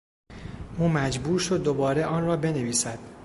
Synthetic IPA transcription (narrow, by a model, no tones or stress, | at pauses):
ʔuːmæd͡ʒbuːɾʃo̞d̪̚ːobɒːɾe̞ʔɒːnrɒːbe̞ne̞viːsæd̪̥